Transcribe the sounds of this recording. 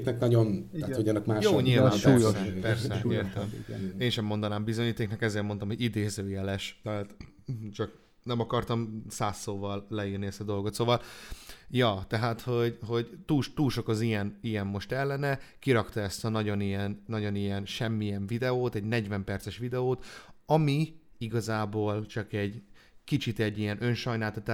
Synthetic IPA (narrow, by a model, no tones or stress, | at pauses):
knɛknɒɟonahoɟɒnːɒkmaːʃjoːɲiːlvaamupɛrsɛeːrt̪ɛmeːnʃɛmːo̞nd̪ɒnaːmbizoɲiːt̪eːknɒkɛzeːrmont̪ɒmhoɟid̪eːzøːjɛlɛʃt̪ɛɦaːt̪ | t͡ʃɒk | nɛmɒkɒrt̪ɒmsaːsːoːvɒlːɛiːrniɛst̪ɒd̪o̞lɡo̞t̪soːvɒl | jɒːt̪ɛɦaːt̪ho̞ɟɦo̞ɟt̪uːlʃt̪uːlʃo̞kɒzijɛnijɛmːo̞ʃt̪ɛlːɛnɛkiɾɒkt̪ɒɛst̪ɒnɒɟo̞nijɛnːɒɟo̞nijɛnʃɛmːijɛɱvid̪ɛoːt̪ɛɟnɛɟvɛmpɛrtsɛʃʋid̪ɛoːt̪ɒmi | iɡɒzaːboːlt͡ʃɒkɛɟ | kit͡ʃit̪ɛɟːijɛnʔø̞nʃɒjnaːlt̪ɒt̪aː